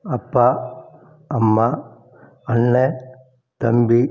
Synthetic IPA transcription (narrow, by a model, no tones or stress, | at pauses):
ɐpːa | ɐmːa | ɐnːe | t̪ɐmbi